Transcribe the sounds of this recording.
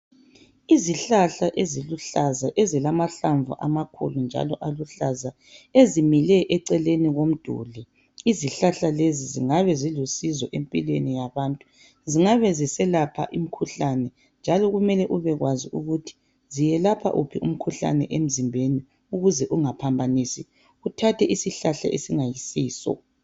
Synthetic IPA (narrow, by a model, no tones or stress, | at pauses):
iziɬaɬaʔeziluɬazaʔezilamaɬaɱvṵʔamakʰṵlund͡ʒʱa̰lɔʔaluɬaza | ezimilɛʔɛǀɛleniɣom̩d̥ʱṵːlɛ | iziɬaɬaleziziŋaβɛzilusizɔʔempʼilwenijaβaːntʼu̥ | ziŋaβɛzisɛlapʰa̰ʔim̩kʰuɬanɛ | nd͡ʒʱalɔɣumɛlɛʔuβɛɣwaziuɣutʰi̥ | zijɛlapʰa̰ʔupʰiʔṵm̩kʰuɬa̰nɛ̰ʔem̩zimbʱeni | uɣuzɛʔuŋapʰambʱanisi | ɣutʰatʰɛʔisiɬaɬa̰ʔesiŋajisiːsɔ̰